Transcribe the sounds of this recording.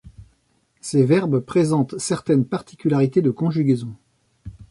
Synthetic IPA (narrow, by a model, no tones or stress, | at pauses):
sevɛʁbpχezɑ̃t̪sɛʁt̪ɛnpaʁt̪ʰi̥kʲylaʁit̪ed̪əkɔ̃ʒyɡʲezɔ̃